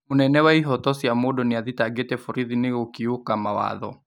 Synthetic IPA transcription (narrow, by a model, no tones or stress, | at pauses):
monɛnɛwaiɦɔtɔsiamodɔneaðitaɡetɛfuɾiðineɣokiokamawa̰ðɔ̰